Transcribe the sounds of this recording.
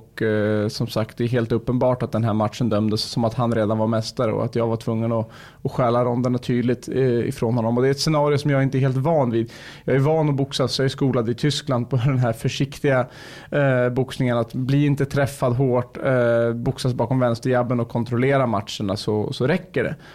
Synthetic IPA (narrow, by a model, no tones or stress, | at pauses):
ɔkːsɔmsakt̪̚d̪ɛːɾɦeːlt̪ɵpːənbɑːʈat̪̚d̪ɛnɦæːɾmat̪ʂənd̪œmd̪əsːɔmat̪hanɾeːd̪anvaɾmɛst̪aɾə̰ɔ̰a̰t̪jɑːɡvaʈʰvɵŋːənɔ | ɔɧɛːlaɾɔnd̪ənːat̪ʰyːd̪lɪt̪ɪ̰fɾoːnhɔnːɔmɔd̪ɛɾɛt̪sɛnɑːɾɪʊsɔmjɑːɡɪnt̪əɛɾɦeːlt̪vɑːnviːd̪ | jɑːɡæɾvɑːnɔbʊksasjɑːɡæskuːlad̪əɪt̪ʰʏskland̪̚pʰɔd̪ɛnɦæɾfœʂɪkt̪ɪɡa | bʊksnɪŋənat̪bliːɪnt̪ət̪ʰɾɛfːad̪ɦoːʈbʊksasbɑːkɔmvɛnst̪əɾjabːənɔkʰːɔnt̪ɾɔleːɾamat̪ʂəɳasɔsɔɾɛkːəɖɛ̰